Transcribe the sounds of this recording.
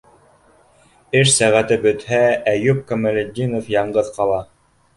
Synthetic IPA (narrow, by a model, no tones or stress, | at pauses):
ɘʃsæʁæt̪ɘbɵ̆t̪hææjʉp̚kŏmɘ̆lʲed̪ʲːinofjɑɴɢɤðqɑlˠɑ